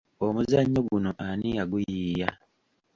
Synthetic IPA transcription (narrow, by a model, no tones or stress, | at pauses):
omuzaɲːo̞ɡunoʔanijaɡujiːja